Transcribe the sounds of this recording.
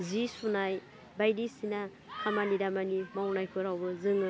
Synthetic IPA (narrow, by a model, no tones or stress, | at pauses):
zisunaj | bajdisina | kʰamanidamanimawnajkʰɯɾawbɯzɯŋ